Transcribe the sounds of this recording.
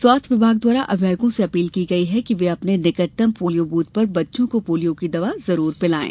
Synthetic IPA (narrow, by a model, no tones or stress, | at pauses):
swaːt̪ʰʋɪbʱaːɡ̚d̪waːɾaʔʔɐʋjaːjɡõseɐpiːlkiɡɐiɦɛkiʋeɐpnenɪkəʈt̪əmpoːlijobuːt̪̚pɐɾbɐtːʃõkopoːlijõkid̪ɐʋazɐɾuːɾpɪlaːḛː